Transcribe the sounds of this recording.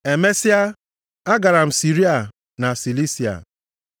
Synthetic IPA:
e˨me˦si˦a˦ | a˦ɡa˨ɾa˨m̩˨si˨ɾi˦a˨ | na˨si˨li˦si˨a̰˨

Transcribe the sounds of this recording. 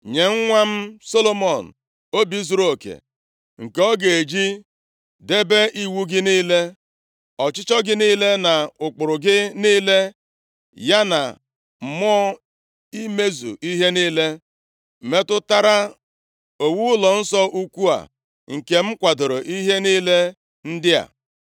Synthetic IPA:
ɲe˨ŋ̩˦ŋʷa˦m̩˦so˦lo˦mɔ˨n̩˨ | o˦bi˦zu˦ɾo˦˨o˨kḛ˨ | ŋ̩˨kɔ˦ɡe˨e˨d͡ʒi˦ | de˦be˦ʔi˨wu˦ɡɪ˦niː˦le˦ | ɔ˨t͡ʃɪ˦t͡ʃɔ˦ɡɪ˦niː˦le˦na˨ʊ˨k͡pʊ˨ɾʊ˨ɡɪ˦niː˦le˦ | ja˦na˨ | m̩˨mɔ˦ | i˦me˦zṵ˨i˦ɦe˦niː˦le˦˨ | me˦tʊ˦ta˦ɾa˦ | o˨wu˦lɔ˨n̩˦sɔ˦ʔu˦kʷu˦a̰˨ | ŋ̩˨ke˨m̩˦kʷa˨do˨ɾo˨ʔi˦ɦe˦niː˦le˦ | n̩˦dɪ˦a̰˨

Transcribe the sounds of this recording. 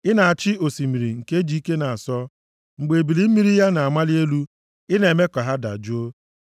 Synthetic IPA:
ɪ˦na˨a˨t͡ʃɪ˦o˨si˨mi˨ɾi˨ŋ̩˨ke˦d͡ʒi˨˦i˦ke˦na˨a˨sɔ˦ | ŋ͡m̩˨ɡ͡be˨bi˨li˦m̩˦mi˦ɾi˦ja˦na˨a˨ma˦lɪ˦e˦lu˦ | ɪ˦ne˨me˦kɔ˨ɦa˦da̰˨d͡ʒu˦o˦

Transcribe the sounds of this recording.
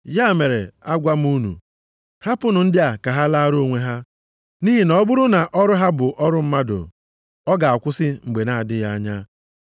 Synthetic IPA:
ja˦˨me˨ɾḛ˨a˦ɡʷa˦m̩˦u˦nṵ˨ | ha˦pʊ˦nʊ˨n̩˦dɪ˦a˨ka˨ɦa˦la˦ɾo˦o˨ŋʷe˦ɦa˦ | ni˦ɦi˦nɔ˦bʊ˦ɾʊ˦na˨ʔɔ˦ɾʊ˦ɦa˦bʊ˨ʔɔ˦ɾʊ˦m̩˦ma˦dʊ̰˨ | ɔ˦ɡa˨a˨kʷʊ˦sɪ˦ŋ͡m̩˨ɡ͡be˨na˨a˨dɪ˦ja˦ɲa˦

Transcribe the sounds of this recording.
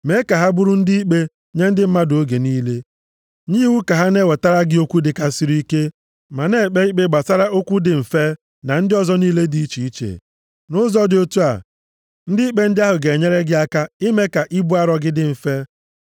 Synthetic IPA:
me˨˦ka˨ɦa˦bʊ˦ɾʊ˦n̩˦di˦i˦k͡pe˦ | ɲe˦n̩˦dɪ˦m̩˦ma˦do˦ɡe˨niː˦le˦ | ɲi˦wu˦ka˨ɦa˦ne˦we˨ta˦ɾa˦ɡɪ˦o˦kʷu˦dɪ˨ka˨si˦ɾi˦i˦ke˦ | ma˨ne˦˨k͡pe˦i˦k͡pe˦ɡ͡ba˨sa˦ɾa˦ʔo˦kʷu˦dɪ˨m̩˨fe˦ | na˨n̩˦dɪ˦ɔ˨zɔ˦niː˦le˦di˦i˦t͡ʃi˨i˦t͡ʃḛ˨ | nʊ˦zɔ˦dɪ˨o˦tu˦a̰˨ | n̩˦dɪ˦i˦k͡pe˦n̩˦dɪ˦a˦ɦʊ˨ɡe˨ɲe˦ɾe˦ɡɪ˦a˦ka˦ɪ˦me˦ka˨ʔɪ˦bu˦a˦ɾɔ˨ɡɪ˦dɪ˦m̩˨fe˦

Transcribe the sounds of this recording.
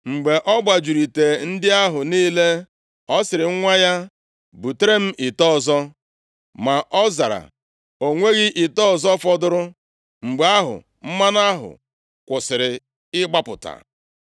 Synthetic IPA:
ŋ͡m̩˨ɡ͡be˨ʔɔ˦ɡ͡ba˨d͡ʒu˨ɾi˨te˨n̩˦dɪ˦a˦ɦʊ˨niː˦le˦ | ɔ˦sɪ˨ɾɪ˨˦ŋʷa˦ja˦ | bu˨te˦ɾe˦m̩˦ʔiɪ˨tɔ˦˨zɔ˦ | ma˨ʔɔ˦za˨ɾa̰˨ | o˨ŋʷe˦ɣɪ˦ʔɪ˨tɔ˦ɔ˨zɔ˦fɔ˦dʊ˦ɾʊ˦ | ŋ͡m̩˨ɡ͡be˨a˦ɦʊ̰˨ | m̩˦ma˦na˦ɦʊ̰˨ | kʷʊ˨sɪ˨ɾɪ˨ | ɪ˦ɡ͡ba˦pʊ̰˨ta̰˨

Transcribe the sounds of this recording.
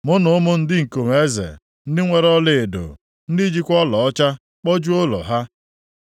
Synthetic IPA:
mʊ˦nʊ˨ʊ˦mʊ˦n̩˦dɪ˦ŋ̩˨ko˨m˨e˦zḛ˨ | n̩˦dɪ˦ŋʷe˦ɾɔ˦lɪ˨do̰˨ | n̩˦di˦d͡ʒi˦kʷɔ˦lɔ˨ɔ˦t͡ʃa˦ | k͡pɔ˦d͡ʒu˦o˦lɔ̰˨ɦa˦

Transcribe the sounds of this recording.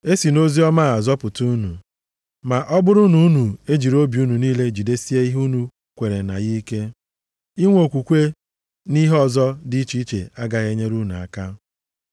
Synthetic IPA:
e˦si˨no˦zi˦ɔ˦ma˦a˨zɔ˦pʊ˨tu˦nu˨ | ma˨ʔɔ˦bʊ˦ɾʊ˦nu˨˦nu˨e˦d͡ʒi˨ɾo˦bi˨u˦nu˨niː˦le˦d͡ʒi˨de˦si˦e˦i˦ɦu˦nu˨˦ | kʷe˨ɾe˨na̰˨ɣi˦i˦ke˦ | i˦ŋʷo˨kʷu˨kʷe˦ | ni˦ɦɔ˦˨zɔ˦di˦t͡ʃi˦t͡ʃḛ˨a˦ɡa˨ɣe˦ɲe˦ɾu˦nu˨a̰˨ka˦

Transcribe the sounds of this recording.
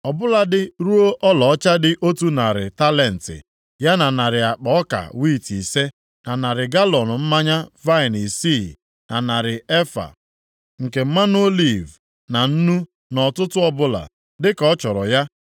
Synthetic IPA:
ɔ˨bʊ˦la˨dɪ˦ɾu˦o˦ʔɔ˦lɔ˨ɔ˦t͡ʃa˦dɪ˦ʔo˦tu˦na˨ɾɪ˨ta˦le˨n̩˨tɪ̰˨ | ja˦na˨na˨ɾɪ˨a˨k͡pɔ˨ɔ˦ka̰˨wi˦˨ti˨se˦ | na˨na˨ɾɪ˨ɡa˦lɔ˨nʊ˨m̩˦ma˦ɲa˦va˦ɪ˨ni˨si˦˨ | na˨na˨ɾɪ˨e˦fa̰˨ | ŋ̩˨ke˨m̩˦ma˦n˦o˦li˨v | na˨n̩˦nu˦ | nɔ˨tʊ˦tʊ˦ɔ˦bʊ˦la̰˨ | dɪ˦kɔ˦t͡ʃɔ˨ɾɔ˨ja˦

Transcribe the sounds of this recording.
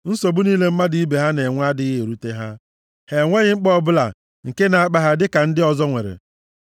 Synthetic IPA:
n̩˦so˨bu˦niː˦le˦m̩˦ma˦di˦i˦be˨ɦa˦ne˨ŋʷa˦dɪ˦ɣe˨ɾu˦te˦ɦa˦ | he˨ŋʷe˦ɣɪ˦ŋ͡m̩˦k͡pɔ˦˨bʊ˦la̰˨ | ŋ̩˨ke˦na˨a˦k͡pa˦ɦa˦dɪ˦ka˨n̩˦dɪ˦ɔ˨zɔ˦ŋʷe˨ɾḛ˨

